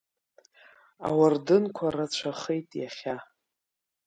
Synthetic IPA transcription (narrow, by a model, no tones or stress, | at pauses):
a̰wardɨnkʷʰarat͡ɕʷʰaχejtʼjaχʲa